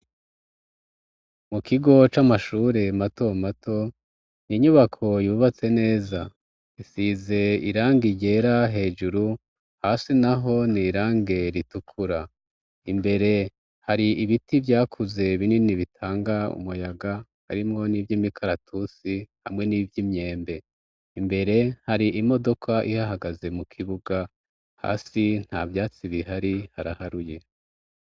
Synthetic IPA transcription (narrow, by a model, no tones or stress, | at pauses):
mukʰiɡo̞t͡ʃamaʃuːɾe̞mato̞matʰo̞ | niɲuβakʰo̞juːβat͡se̞ne̞ːza | isize̞ḭɾaːŋɡiɟe̞ːɾaɦe̞ːd͡ʒuɾu | haːsinaɦo̞niːɾaːŋɡe̞ɾitukʰuɾa | imbe̞ɾe̞ | haɾiiβitivjaːkʰuze̞βininiβitʰaːŋɡaṵmujaɡaha̰ɾimŋo̞nivjimikʰaɾatʰusiha̰mŋe̞niːvjimɲe̞ːmbe̞ | imbe̞ɾe̞haɾiʔimo̞do̞kʰaʔihaɦaɡaze̞mukʰiβuɡa | ha̰ːsin̥havjaːt͡siβiɦaɾihaɾahaɾuje̞